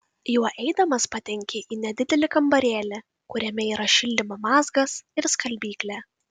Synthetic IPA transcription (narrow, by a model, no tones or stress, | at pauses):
juɔʔɛɪd̪ɐmɐspɐt̪ʲɛŋʲkʲɪʔiːnʲɛd̪ʲɪd̪ʲɛlʲɪkɐmbɐɾʲeːlʲɛ | kʊɾʲɛmʲɛiːɾɐʃʲɪlʲd̪ʲɪmɐmɑːzɡɐsɪɾskʰɐlʲbʲiːklʲæː